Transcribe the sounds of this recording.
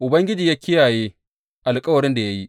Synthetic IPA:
ʔʊ˨bɐ˦ŋɡʲɪ˦d͡ʒiː˨jaː˦kʲʰɪ˦jaː˨jeː˦ | ʔa˨lkʼɐ˦wɐ˨ɽɪ˦nda˨ja˦ji˦

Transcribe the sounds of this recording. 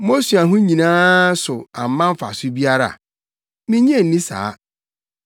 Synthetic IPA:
mo˦su˨a˨ɦʊ̃˦ɲĩ˨nãː˦sʊ˨a˨m˨˦mã˦m˦fa̰˨sʊ˦bi˦a˦ɾa̰˨ | mĩ˦ɲ˦ẽ˦˨n̩˨nĩ˦sa̰ː˨˦

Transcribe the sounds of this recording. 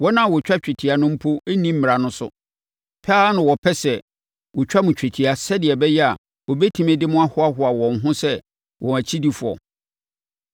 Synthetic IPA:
wɔ˦nã˦˨wɔ˨t͡ɕᶣa˦t͡ɕᶣɛ˨tʰi˨a˨nʊ̃˦m̩˦pʰo˦e˦nĩ˦m̩˦mɪ̃˨ɾa˨nʊ̃˦sʊ̰˦ | pʰaː˦nʊ̃˨wɔ˨pʰɛ˦sɛ˨ | wɔ˨t͡ɕᶣa˦mʊ̃˨t͡ɕᶣe˨tʰi˨a˨sɛ˦dɪ˨ɛ˨bɛ˦jɛ˦a˨ | wɔ˨bɛ˦tʰi˨mẽ˦dɪ˦mʊ̃˦a˦hʊ˦a˦ɦʊ˨a˨wɔ̃˨n˨ɦʊ̃˦sɛ˦ | wʔɔ̃˨æ˨t͡ɕʰi˦di˦fʊ˨ɔ̰˨

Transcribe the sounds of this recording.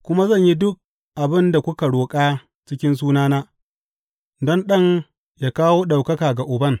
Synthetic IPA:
kʷʊ˦ma˦zɐ˦˨ɲji˦dʊ˦k̚ | ʔa˨bɪ˦nda˨kʷʊ˦ka˨ɽoː˨kʼaː˦ | t͡ʃɪ˦kʲɪ˦ns̬uː˦naː˦naː˦ | dɔ˦nɗɐ˦ŋ | jaː˦kaː˦woː˦ɗa˨wkɐ˦kaː˨ɡa˨ʔʊ˨bɐ˦ŋ

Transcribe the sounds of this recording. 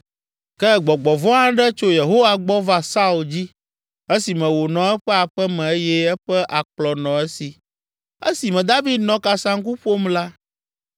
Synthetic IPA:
kɛ˦ɡ͡bɔ˨ɡ͡bɔ˨vɔ̃˦ã˦ɖɛ˦t͡ʃo˦je˨ɦo˦wa˨ɡ͡bɔ˦va˨sa˦u˨ld͡ʑi˦ | e˦si˨mɛ̃˨wo˨nɔ̃˨ɛ˦ɸɛ˦a˨ɸɛ˦mɛ̃˨˦jɛ˦ɛ˦ɸɛ˦ʔa˨k͡plɔ˨nɔ̃˨ɛ˦si˨ | e˦si˨mɛ̃˨d̪a˦vi˦d̪̚nɔ̃˨ka˨sã˦ŋ̩˦k̬u˦ɸo˦mla˦

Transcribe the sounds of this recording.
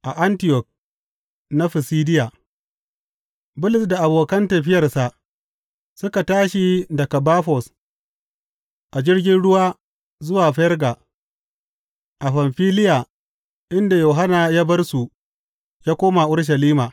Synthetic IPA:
ʔa˨ʔa˦ntɪ˦˨jɔ˨k̚ | na˦ɸɪ˨siː˦dɪ˦ja˨ | bʊ˦lɪ˨sda˨ʔa˨boː˨kɐ˦ntɐ˨ɸɪ˦jɐ˨rsa˨ʔ | sʊ˦ka˨taː˦ʃi˨dɐ˨ka˨baː˦ɸɔ˨s | ʔa˨d͡ʒɪ˦rɡʲɪ˦nɽʊ˦waː˦ | zʊ˦waː˨ɸɛ˦rɡa˨ | ʔa˨ɸa˨mɸiː˦lɪ˦ja˨ | ʔɪ˦nda˨joː˨ɦa˦na˨ja˦bɐ˦rsu˨ | jaː˦kʷoː˦ma˨ʔʊ˦ɽʃ̬ɐ˨liː˦maː˨

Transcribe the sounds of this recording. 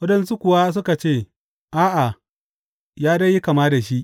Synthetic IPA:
wɐ˦dɐ˨nsu˦kʷʊ˨wa˦s̬ʊ˦ka˨t͡ʃeː˦˨ | ʔaː˦ʔa˨ | jaː˦dɐ˦ji˦ka˨maː˦da˨ʃi˦ʔ

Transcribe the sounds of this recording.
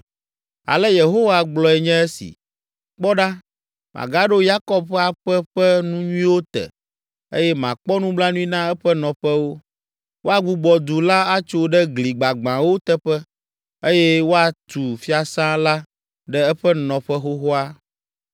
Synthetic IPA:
a̰˨lɛ˦je˨ɦo˦wa˨ɡ͡blɔ˨ɛ˨ɲɛ̃˦ɛ˦sḭ˨ | k͡pɔ˦ɖa˦ | mʔa̰˨ɡa˦ɖo˦ja˦kɔ˦bɸɛ˦a˨ɸɛ˦ɸɛ˦nũ˦ɲũ˦ĩ˦wo˦t̪ɛ̰˨ | ḛ˦jɛ˦mã̰˨k͡pɔ˦nũ˦bla˦nũ˦i˦nã˦ɛ˦ɸɛ˦nɔ̃˨ɸɛ˦wo˦ | wo˦a˦ɡ͡bu˦ɡ͡bɔ˨d̪u˨la˦a˦t͡ʃo˦ɖɛ˦ɡli˨ɡ͡ba˨ɡ͡bã˨wo˦t̪ɛ˦ɸɛ˦ | e˦jɛ˦wo˦a˨t̪u˨fi˦a˨sã˦la˦ | ɖɛ˦ɛ˦ɸɛ˦nɔ̃˨ɸɛ˦ɦo˦ɦo˦a˦

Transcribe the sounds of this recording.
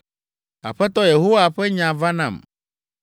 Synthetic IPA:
a̰˨ɸɛ˦t̪ɔ˦je˨ɦo˦wa˨ɸɛ˦ɲã˨va˦nã̰˨m

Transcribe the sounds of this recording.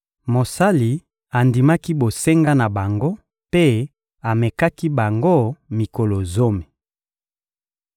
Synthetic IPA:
mo˨sa˦li˨ | a˨ndi˨ma˦ki˦bo˨se˦ŋɡa˦na˨ba˨ŋɡo˦ | pe˦ | a˨mɛ˨ka˦ki˦ba˨ŋɡo˦˨mi˨ko˨lo˨zo˦me˨

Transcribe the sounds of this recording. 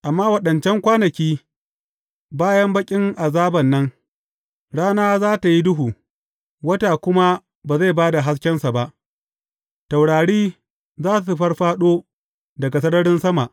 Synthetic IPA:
ʔa˨mːaː˦wɐ˦ɗɐ˨nt͡ʃɛ˦ŋkʷaː˦nɐ˨kʲiː˦ | baː˦jɐ˦mbɐ˦kʲʼɪ˦ŋʔa˨zaː˦bɐ˨nːɐ˦ŋ | ɽaː˦naː˦zaː˦ta˨ji˦dʊ˦ɦuː˨ | wɐ˦taː˨kʷʊ˦ma˦ | baː˨za˦˨baː˦da˨ɦa˦s̬kʲɛ˦nsa˨ba˦ʔ | sa˨wɽaː˨ɽiː˦ | zaː˦su˨su˨ɸɐ˦rɸaː˦ɗoː˦ | dɐ˨ɡa˨sɐ˦nɐ˦ɽɪ˦nsɐ˦ma˨ʔ

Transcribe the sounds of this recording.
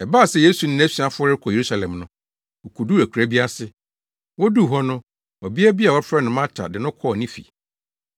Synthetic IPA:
ɛ˨baː˦˨sɛ˨je˦su˨nɪ̃˦æ˦si˨a˨fʊ˦ɔ˦ɾɪ˦kʰɔ˨e˨ɾu˦sa˨lɛ̃˨mnʊ̃˦ | ɔ˨kʰu˨du˦æ˨kʰu˨ɾæ˦bi˦a˦sɪ˨ | wɔ˦du˦˨ɦɔ˦nʊ̃˦ | ɔ˨bi˦ɛ˦bi˦a˨wɔ˦fɾɛ˦nʊ̃˨mã˦t͡ɕʰa̰˨dɪ˨nʊ̃˦kʰɔ˦˨nĩ˦fḭ˨

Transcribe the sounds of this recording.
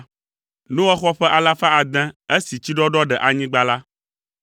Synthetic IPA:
nũ˦wɔ˦xɔ˦ɸɛ˦ʔa˨la˦fa˦a˨d̪ɛ̃˦e˦si˨t͡ɕi˦ɖɔ˦ɖɔ˦ɖɛ˨ʔa˨ɲĩ˦ɡ͡ba˦la˦

